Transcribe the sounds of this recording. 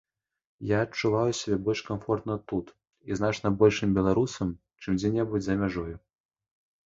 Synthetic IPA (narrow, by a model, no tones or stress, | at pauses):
jaːt͡ʂːuvajusʲabʲɛbɔlʲʂkamfɔrt̪nɐt̪ːut̪ | iznat͡ʂnɐbɔlʲʂɨmbʲɛlˠaɾusɐm | t͡ʂɨmd͡zʲɛnʲɛbud͡zʲzɐmʲaʐɔju